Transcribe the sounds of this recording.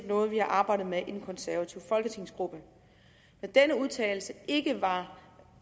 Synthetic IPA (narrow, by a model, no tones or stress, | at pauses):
d̥nɔ̽ːð̞̩ˠʋihɑ̈ʔɑ̈ːb̥ɑ̈ɪ̰d̥ð̩ˠmeʔe̝nkʰɒ̽nsæɐʋæt͡sʰiʊ̰fɒ̽lɡ̥ət͡sʰe̝ŋ̰sɡ̥ʁub̥ə | mend̥enəuð̞ˠt͡sʰɛ̰ːɪl̩səe̝ɡ̥əʋɑ̈